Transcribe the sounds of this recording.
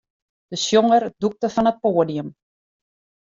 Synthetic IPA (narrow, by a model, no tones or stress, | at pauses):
d̥əsjoŋərduk̚təfɔnət̚poːədijəm